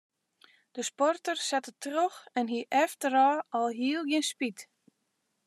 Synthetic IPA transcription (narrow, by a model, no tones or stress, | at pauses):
d̥əspɔrtərsɛtətrøxɛnɦiʔɛftəɾɔːɔlˠɦiəlˠɡjɪnspit